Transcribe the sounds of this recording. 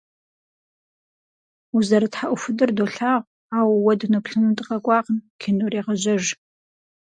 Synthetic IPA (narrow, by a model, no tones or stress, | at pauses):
uzɐɾɨtħaʔʷʊfɨdɨrdoːɬaːʁʷ | aːwwɐdɨnɨpɬɨnɨmtʼɨqɐkʷʼɑːqənkʲʰinureːʁəʑɐʒ